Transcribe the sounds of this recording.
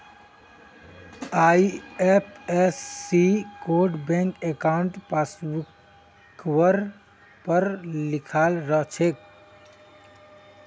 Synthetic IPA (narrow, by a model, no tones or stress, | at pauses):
aiepʰesːikoɾɖbẽŋkekawɳʈpasbuk | wəɾ | pəɾlikʰalɾəɦt͡ʃʰek̚